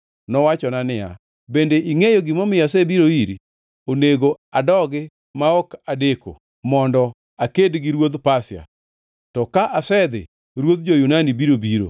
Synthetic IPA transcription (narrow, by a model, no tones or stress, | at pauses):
nɔwat͡ʃɔnanɪa̰ | bendeʔiŋejoɡɪmɔmɪjasebiɾoiɾḭ | oneɡo | adɔɡɪ | maɔkadeko̰ | mɔndɔ | akedɡiɾwod̪pasɪja̰ | tɔkaʔasɛd̪ɪ̰ | ɾwod̪̚d͡ʒojunanibiɾobiɾo̰